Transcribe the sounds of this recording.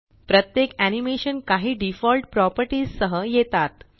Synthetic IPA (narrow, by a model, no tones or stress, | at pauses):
pɾət̪jekænimeɕənkaɦiːɖifɔlʈ̚pɾɔpəɾʈiːzsəɦəjet̪at̪